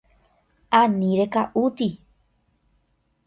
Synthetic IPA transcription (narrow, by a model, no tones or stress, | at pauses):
ãnĩɾekaʔut̪i